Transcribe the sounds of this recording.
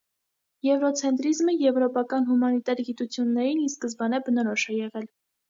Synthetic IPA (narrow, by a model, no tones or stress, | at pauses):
jɛvɾɔt͡sʰɛnt̪ɾizməjɛvɾɔpɑkɑnɦumɑnit̪ɑɾɡit̪ut͡sʰjunːɛɾiniskəzbɑnɛbənɔɾɔʃɛjɛʁɛl